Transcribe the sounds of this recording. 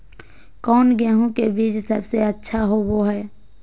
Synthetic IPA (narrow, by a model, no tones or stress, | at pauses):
kɔːnɡɛːɦũkebiːd͡ʒsəbseətːʃʰaɦoʋoɦɛː